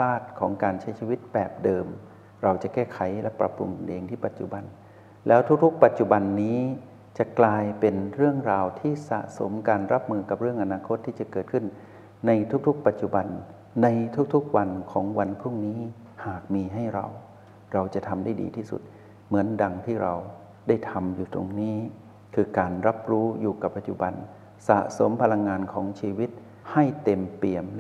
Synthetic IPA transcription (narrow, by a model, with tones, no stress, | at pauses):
saː˥˩t̪̚kʰɔː˩˦ŋkaː˧nt͡ɕʰa˦jt͡ɕʰi˧wi˦˥t̪̚pɛː˨˩p̚dɤː˧m | ɾa˧wt͡ɕa˨˩kɛː˥˩kʰa˩˦jlɛ˦˥pɾa̰˧˩pɾṵ˧ŋ˧nʔeː˧ŋt̪ʰiː˥˩pa˨˩t̪̚t͡ɕṵ˨˩ba˧n | lɛː˦˥wt̪ʰu˦˥k̚t̪ʰu˦˥k̚pa˨˩t̪̚t͡ɕu˨˩ba˧nːiː˦˥ | t͡ɕa˨˩klaː˧jpe˧nɾɯ˥˩əŋɾaː˧wt̪ʰiː˥˩sa̰˨˩ʔso̰˩˦mkaː˧nɾa˦˥p̚mɯː˧ka˨˩p̚ɾɯ˥˩əŋʔa˧naː˧kʰo˦˥t̪ʰːiː˥˩t͡ɕa˨˩kɤː˨˩t̪̚kʰɯ˥˩nː | a˧jt̪ʰu˦˥k̚t̪ʰu˦˥k̚pa˨˩t̪̚t͡ɕu˨˩ba˧nː | a˧jt̪ʰu˦˥k̚t̪ʰu˦˥k̚wa˧nkʰɔː˩˦ŋwa˧npʰɾu˥˩ŋniː˦˥ | haː˨˩k̚miː˧ɦa˥˩jɾa̰˧w | ɾa˧wt͡ɕa˨˩t̪ʰa˧mdaː˥˩jdḭː˧t̪ʰiː˥˩sṵ˨˩t̪̚ | mɯ˩˦ənda˧ŋt̪ʰiː˥˩ɾa˧w | da˥˩jt̪ʰa˧mjuː˨˩t̪o̰˧ŋniː˦˥ | kʰɯː˧kaː˧nɾa˦˥p̚ɾuː˦˥juː˨˩ka˨˩pːa˨t̪̚t͡ɕu˨˩ba˧n | sa̰˨˩ʔso˩˦mpʰa˧la˧ŋːaː˧nkʰɔː˩˦ŋt͡ɕʰiː˧wi˦˥t̪̚ | ha˥˩jt̪e˧mpi˨˩əm